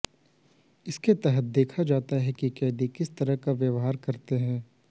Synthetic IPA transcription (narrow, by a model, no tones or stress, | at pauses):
ɪsket̪ɛɦət̪̚d̪eːkʰad͡ʒaːt̪aɦɛkikɛːd̪ikɪst̪ɐɾəɦkaʋjɐʋɦaːɾkɐɾt̪eɦɛ̃ː